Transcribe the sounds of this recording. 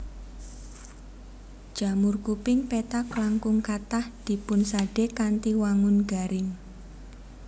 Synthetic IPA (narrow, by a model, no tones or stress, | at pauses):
d̥ʒ̥a̤mʊrkupɪŋpet̪aklaŋkʊŋkat̪ahd̪̥i̤pʊnsaɖ̥ekant̪iwaŋʊnɡa̤ɾɪŋ